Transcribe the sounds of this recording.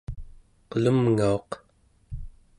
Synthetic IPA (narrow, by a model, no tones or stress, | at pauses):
qəlumŋao̞q